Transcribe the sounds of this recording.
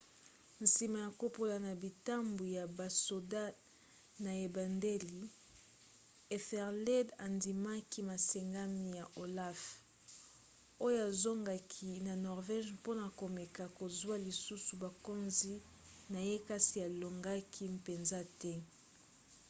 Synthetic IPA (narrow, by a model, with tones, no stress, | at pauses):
n̩˨si˨ma˨ja˨ko˦po˦la˨na˨bi˨ta˦mbu˨ja˨ba˨so˨da˦ | na˨e˨ba˨nde˦li˨ | e˨fɛ˨ʁle˦da˨ndi˨ma˦ki˦ma˨sɛ˨ŋɡa˦mi˦ja˨ʔo˨la˦f | o˦jo˦a˨zo˦ŋɡa˨kʰi˦na˨nɔ˨ʁvɛ˦ʒpo˦na˨ko˨me˨ka˨ko˨zwa˦li˨su˦su˨ba˨ko˦nzi˦ | na˨je˦ka˦ti˨a˨lo˨ŋɡa˦kʰi˦mpe˨nza˦tɛ˦